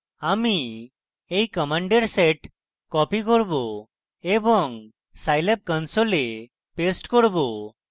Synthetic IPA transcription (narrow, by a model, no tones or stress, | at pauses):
ami | ejkəmaɳɖeɾseʈ | kɔpik̬ɔɾbo | ebɔŋ | sajlep̚kənsole | pesʈkɔɽbo